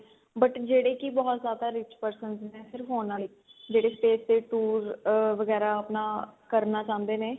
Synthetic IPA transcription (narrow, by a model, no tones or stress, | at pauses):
bəʈd͡ʒeːɽeːkibɔːt̪zaːd̪aːɾɪt͡ʃpəɾsənznɛ̃ːsɪɾəfɦoːnãː | d͡ʒeːɽeːsʈeːsd̪eːʈuːɾʋəɡɛːɾaːəpnaːkəɾnaːt͡ʃãːnd̪eːneː